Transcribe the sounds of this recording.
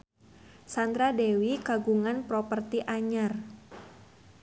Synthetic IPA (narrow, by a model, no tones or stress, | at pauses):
sand̪ɾadewikaɡuŋanpɾɔpərt̪iʔaɲar